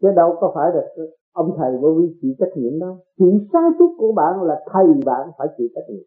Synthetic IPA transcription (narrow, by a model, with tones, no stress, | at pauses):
t͡ɕə˨˦ɗə˧wkɔ˨˦faː˧˩jɗɨ˨˩ək̚ | ʔə˧wŋ͡mt̪ʰə˨˩jɓə˧˦vi˧t͡ɕḭ˧˥t͡ɕə˦˥t̚ɲḭ˧˨əmɗə˧˦wt͡ɕḭ˧˨nsaː˧jsu˦˥t̚ku˧˩əɓa̰ː˧˨nlaː˨˩t̪ʰə˨˩jɓa̰ː˧˨nfaː˧˩jt͡ɕḭ˧˨t͡ɕə˦˥t̚ɲḭ˧˨ə˦